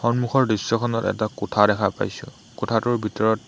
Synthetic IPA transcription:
xɔnmuxʰɔɹdɹisːɔkʰɔnɔtɛ̰takotʰadɛkʰapa̰jsʊ̰̃ | kotʰatʊɹbʱitɔɹɔt

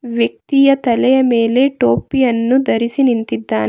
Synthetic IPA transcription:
ʋjɐk̚t̪ijɐt̪ɐlɛjɐme̞ːle̞ʈo̞ːpijɐnːud̪ɐɾisinint̪id̪ːaːn

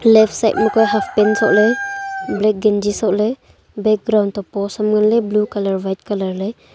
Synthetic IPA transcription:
lɛpʰsajt̚mukɔjɦafpɛnsɔ̰ʔleblɛk̚ɡɛnd͡ʒisɔʔle | bɛk̚ɡɾawnt̪ɔpɔsamɡanleblukalaɾwajt̚kalaɾle

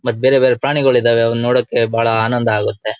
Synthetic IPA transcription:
mɐt̪ːubeɾebeːɾepɾaːɳiɡɐɭid̪aːʋeɐʋɐnnoːɽɐkːe̞bʱaːɭɐaːnɐnd̪ɐaːɡut̪ːe̞

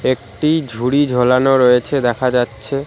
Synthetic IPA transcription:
ek̚ʈid͡ʑʱuɽid͡ʑʱolanoɾojet͡ɕʰed̪ɛkʰad͡ʑatːɕʰe

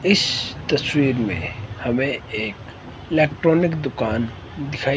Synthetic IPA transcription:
ɪst̪ɐswiːɾmḛ̃hɐmẽeːk | ɪleːkʈɾoːnɪkd̪ʊkaːn | d̪ɪkʰaːi

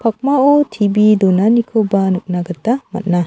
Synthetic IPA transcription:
pʰɐk̚maotʰibid̪onanikʰobanuk̚naɡɐt̪ːamɐ̰t̪̚na

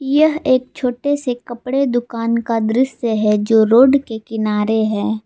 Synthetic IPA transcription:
jəɦeːk̚t͡ʃʰoːʈesekɐpɽed̪ʊkaːnkad̪ɾɪsəɦɛd͡ʒoːɾoːɖkekɪnaːɾeɦɛː

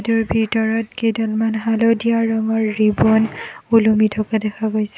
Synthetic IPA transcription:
duɹbʱitɔɹɔtkedɔlmanɦalɔdijaɹːɔŋɔɹːibɔnulumitʰɔkadɛkʰaɡojsɛ

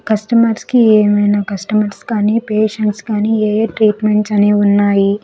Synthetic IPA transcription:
kɐsʈɐmɐɾskieːmɐjnaːkɐsʈɐmɐɾskaːniːpeːʂɐɳʈskaːniːeːeːʈɾiːʈmeɳʈsɐneːunːaːji

